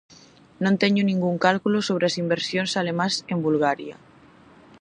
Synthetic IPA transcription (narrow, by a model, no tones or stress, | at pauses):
nõnt̪eɲonĩŋɡuŋkalkulosoβ̞ɾeasimbeɾsjonsalemãsembulɣaɾja